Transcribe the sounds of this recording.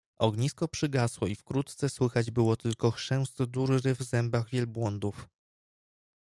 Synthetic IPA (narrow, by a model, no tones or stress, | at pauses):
ɔɡɲiskɔpʂɘɡaswɔifkɾut̪t̪sɛswɘxad͡ʑbɘwɔt̪ɘlkɔxʂɛw̃st̪d̪uɾɾɘvzɛmbaɣvʲjɛlbwɔnd̪uf